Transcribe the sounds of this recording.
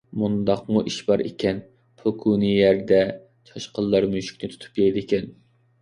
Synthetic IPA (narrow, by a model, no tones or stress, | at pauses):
mund̪ɑqmuʔiʃbɑɾḛkʲʰɛn | pʰʊkʰunijæɾd̪ɛ | t͡ʃʰɑʃqʰəlˠːɑɾmyʃy̥kʲnɪt̪ʰu̥t̪ʰu̥pjʲɛjd̪ɪkʲɛn